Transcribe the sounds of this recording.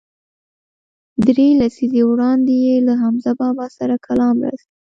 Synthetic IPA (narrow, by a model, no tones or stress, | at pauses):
d̪ɾelasizewɽɑnd̪ejelaɦamzabɑbɑsaɾakʰalɑmɾa̰si